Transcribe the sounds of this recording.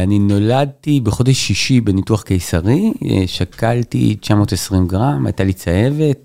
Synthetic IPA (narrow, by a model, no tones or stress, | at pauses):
anino̞lad̚tibeχo̞de̞ʃːiʃibenituaχkejsaʁḭʃakaltḭt͡ʃamo̞ːtesʁimɡʁama̰jtalit͡saje̞ve̞t̚